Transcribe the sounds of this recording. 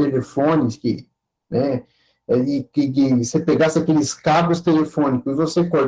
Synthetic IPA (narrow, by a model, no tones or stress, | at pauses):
elefõnɪskɪ | nɛ | ɛɪkɪkɪsepeɡasɪakelɪskabʊst̪elefõnikʊzɪvosekoʎ